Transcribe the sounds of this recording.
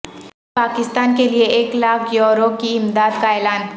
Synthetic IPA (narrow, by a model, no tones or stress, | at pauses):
paːkɪst̪aːnkelieeːklaːkʰjoːɾokiɪmd̪aːd̪kaeːlaːn